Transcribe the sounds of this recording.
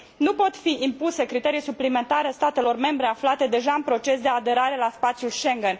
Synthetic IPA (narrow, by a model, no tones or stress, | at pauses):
nupo̞t̪fiimpuse̞kɾit̪e̞ɾijsuplime̞nt̪aɾest̪at̪e̞lo̞rme̞mbɾe̞aflat̪e̞d̪e̞ʒaɨnpɾo̞t͡ʃe̞sd̪e̞ad̪e̞ɾaɾe̞laspat̪sijulʃe̞ŋɡen